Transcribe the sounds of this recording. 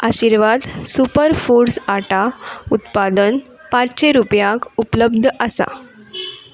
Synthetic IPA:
aɕiɾʋad̪supəɾfuɽsaʈaut̪pad̪ən | pãt͡sɕeɾupjãkupləbd̪ʱʔəsa̰

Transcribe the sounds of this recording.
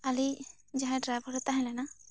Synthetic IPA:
ali | d͡ʒaɦɛ̃ɖɾajbʱɔɾɛt̪aɦɛ̃lɛna

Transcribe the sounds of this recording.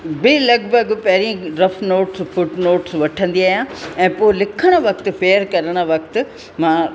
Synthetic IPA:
bɪlɐɡbɐɡpɐɦɾijə̃ɾɐfnoːʈsfʊʈnoːʈsʋɐʈʰə̃nd̪iaːjãɛ̃ːpoːɦɪlɪkʰəɽ̃̆ʋɐkt̪ɪ̆feːəɾkɐɾəɽ̃ə̆ʋɐk̚t̪ɪ̆ | mãː

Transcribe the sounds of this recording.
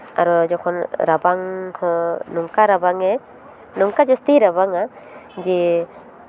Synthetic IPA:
a̰ɾɔd͡ʒɔkʰɔnɾabaŋhɔ̃numkaɾabaŋɛ | numkad͡ʒɔst̪iɾabaŋa | d͡ʒɛ

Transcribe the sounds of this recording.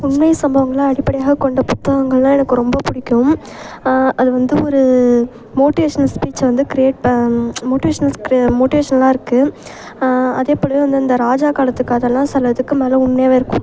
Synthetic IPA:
ʊɳmɐjsɐmbɐʋɐŋɡɐɭaɐɽɪpːɐɽɪjaːɣɐkːɔɳɖɐpʊt̪ːɐɣɐŋɡɐɭlãːɛnɐkːɯɾɔmbɐpʊɽɪkʲːʊm | ɐðɯʋɐnd̪ɯɔɾɯ | moːʈɪʋeːʂɐnɐlspiːt͡ʃːʋɐnd̪ɯkɪɾɪeːʈmoːʈɪʋeːʂɐnɐlkɾmoːʈɪʋeːʂɐnɐlãːɪɾɯkːɯ | ɐðeːpːɔɽɪjɐ̃ʋɐnd̪ɯɐnd̪ɐɾaːd͡ʒaːkaːlɐt̪ːɯkːɐːðɐlãːsɐlːɐt̪ɯkːɯmeːlɐʊɳmɐjaːʋɪɾɯkːʊm

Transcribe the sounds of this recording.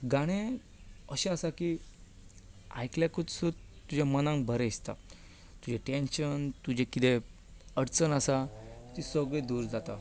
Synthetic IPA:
ɡaɽ̃ẽ | əɕaasaki | a̰jkljakut͡ssu | t̪ːud͡ʑʱamənãŋbʱəɾest̪a̰ | t̪ud͡ʑʱeʈenɕənt̪ud͡ʑʱekit̪e | əɽt͡sənəsat̪isəɡɭẽd̪uːɾd͡zat̪a

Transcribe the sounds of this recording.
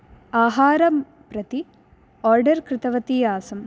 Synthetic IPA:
aːɦaːɾɐm | pɾɐt̪i | oːɾɖɐɾkɾɨt̪ɐʋɐt̪ijaːsɐm

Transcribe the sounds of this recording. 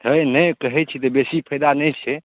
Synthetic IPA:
t̪ənəjkəɦɛt͡ʃʰit̪əbesipʰəjd̪anɛjt͡ʃʰɛ

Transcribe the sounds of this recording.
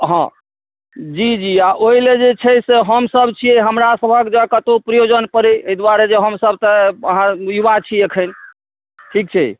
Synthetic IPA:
ɦã | d͡ʒid͡ʒiaʔoɦiled͡ʒet͡ʃʰəseɦəmsəbʱt͡ʃʰieɦəmɾasəbʱəkd͡ʒəkət̪opɾəjod͡ʒənpəɾieɦid̪waɾed͡ʒeɦəmsəb̚ʱt̪əəɦãjubat͡ʃʰiekʰən | ʈʰik̚t͡ʃʰɛ

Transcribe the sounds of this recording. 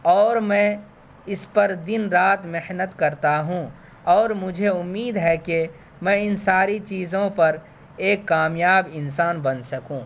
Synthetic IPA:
ɔːɾmɛ̃ː | ɪspɐɾd̪ɪnɾaːt̪mehnət̪kɐɾt̪aɦũ | ɔːɾmʊd͡ʒʱeʊmːiːd̪ɦɛke | mɛ̃ɪnsaːɾit͡ʃiːzõpɐɾ | eːkːaːmjaːbɪnsaːnbɐnsɐkũː

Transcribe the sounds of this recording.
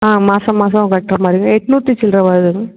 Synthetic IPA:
aːmaːsɐmaːs̬ɐ̃kɐʈːɾɐmaːɾɪjɡɐɛʈːnuːt̪ːit͡ʃɪlɾɐʋɐːɾðɯ

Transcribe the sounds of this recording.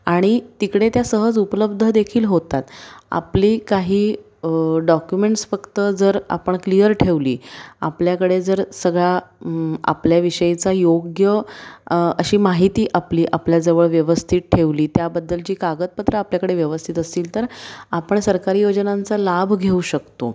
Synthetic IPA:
aɽ̃it̪ikɽet̪jasəɦəd͡zupləb̚d̪ʱəd̪ekʰiːlɦot̪at̪a̰pliːkaɦiː | ɖɔkjumeɳʈsfəkt̪əd͡zəɾa̰pəɳklijəɾʈʰeʋlḭːa̰pljakəɽed͡zəɾsəɡɭa | a̰pljaʋiɕəit͡sajoɡjə | əɕiːmaɦit̪iːʔapliːʔapljad͡zəʋəɭʋjəʋəst̪ʰiːt̪̚ʈʰeʋliːt̪jabəd̪ːəld͡ʑiːkaɡət̪̚pət̪ɾəapljakəɽeʋjəʋəst̪ʰit̪əsiːlt̪əɾapəɳsəɾkaɾiːjod͡ʑnant͡salabʱɡʱeuɕəkt̪o̰

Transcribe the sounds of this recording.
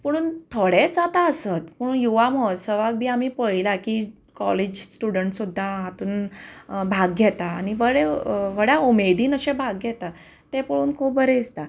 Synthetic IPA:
pəɽ̃uːnt̪ʰoɽed͡zat̪aəsət̪pəjuʋaməsəʋaɡ̚bʱiːamiːpəilaki | kɔled͡ʑsʈuɽəɳʈsud̪ʱːaɦat̪uːnbʱaɡ̚ɡʱjɛt̪aːniʋəɭeʋəɽjaumed̪ʱiːnəɕebʱaɡɡɛt̪a | t̪epəɭuːnkʰupbəɾeist̪a

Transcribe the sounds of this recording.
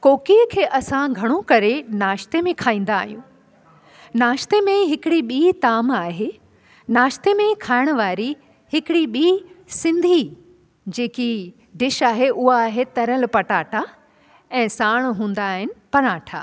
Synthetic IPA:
koːkiəkʰeːʔɐsãɡʱɐɽ̃okɐɾenaːʃt̪emẽkʰaːĩːn̆d̪aːɦijũː | naːʃt̪emẽɦɪkɪɽiɓiːt̪aːmaːɦe | naːʃt̪emẽkʰaːɪɽ̃ə̆ʋaːɾi | hɪkɪɽiɓiːsɪ̃nd̪ʱi | d͡ʑeːki | ɖɪʃaːɦeʔʊɦaːɦet̪ɐɾəlpɐʈaːʈʰa | ɛ̃ːsaːɽ̃ɦũːnd̪aːɦɪnɪ̆pɐnaːʈʰa̰ː

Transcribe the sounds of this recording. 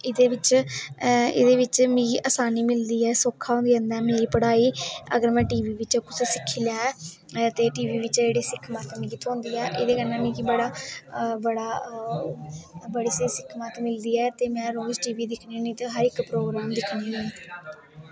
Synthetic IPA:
ɪd̪eːʋɪt͡ʃ | ɪ̰d̪eːʋɪt͡ʃmĩːʔaːsaːniːmɪld̪iːɛːsoːkʰːaːɦõːnd̪iːənd̪ɛːmeːɾiːpəɽaːiːə̰ɡəɾmɛ̃ːʈiːʋiːʋɪt͡ʃkʊssɪkʰːiːlaː | t̪eːʈiːʋiːʋɪt͡ʃd͡ʒeːɽiːsɪkʰmat̪mĩːkit̪ʰõːnd̪iːɛːʔɪd̪eːkənɛ̃ːmĩːkibəɽaːbəɽaː | bəɽiːsesɪkʰmat̪mɪld̪iːɛːt̪eːmɛ̃ːɾoːzʈiːʋiːd̪ɪkʰneːnĩːt̪ːɦəɾɪkpɾoːɡɾaːmd̪ɪkʰniːɛ̃ː

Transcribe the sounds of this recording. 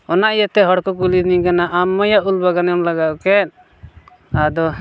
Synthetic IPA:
ɔnaʔijat̪ɛɦɔɽkɔkulinikanaʔamːɔjaʔulbaɡanɔmlaɡaʔukɛʔ̚ | ad̪ɔ

